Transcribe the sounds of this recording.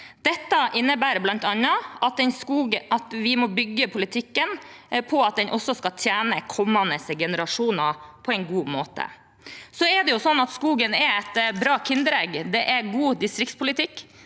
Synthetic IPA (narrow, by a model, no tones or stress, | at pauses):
d̪̥ɛt̪ːɑʔɪnːəbæːɾblɑnt̪ɑnːɑʔɑt̪̚d̪ɛnskuːɡəɑt̪ʋɪmɔbʏɡːəpʰʊlɪt̪ʰɪkːənpʰɔɑt̪̚d̪ɛnʔɔsːɔskɑt̪ʰjæːnəkʰɔmːɑnəsɡɛnəɾɑʂuːnɑpʰɔɛɪnɡuːmoːt̪ə̰ | sɔɛd̪ɛjʊsɔnːɑt̪skuːɡənɛɾɛt̪bɾɑːkʰɪnd̪əɾɛɡd̪ɛʔɛɡuːd̪ɪst̪ɾɪkt̪spʰʊlɪt̪ʰɪkː